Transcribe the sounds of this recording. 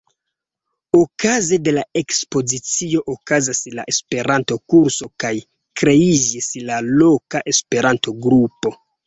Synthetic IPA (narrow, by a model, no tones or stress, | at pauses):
okazede̞lae̞kspo̞zit͡sio̞ʔokazasla̰ʔespe̞ɾanto̞kuɾso̞kaj | kɾe̞id͡ʒislalo̞kaʔe̞spe̞ɾanto̞ɡɾupo̞